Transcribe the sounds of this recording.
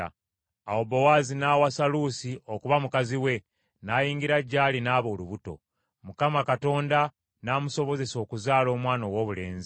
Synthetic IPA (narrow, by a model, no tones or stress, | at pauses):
aobowaːzinawasalusiʔo̞kuβamukaziwe̞ | naːjiːŋɡiɾaɟːaːlinaːβo̞ːluβuto̞̰ | mukamakato̞ːnda | naːmuso̞βo̞ze̞so̞ːkuzaːlo̞ːmwaːnowo̞ːβule̞̰ːnzi